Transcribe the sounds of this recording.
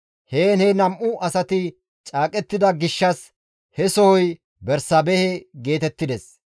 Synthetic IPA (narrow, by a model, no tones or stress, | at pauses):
heːnɛnɐmʔʊʔɐsɐt̪ɪ | t͡ʃʼaːkʼɛt̪ːɪd̪ɐɡɪʃːɐs | hɛsɔhɔj | bɛɾsɐbɛhɛɡe̞ːt̪ɛt̪ːɪd̪ɛs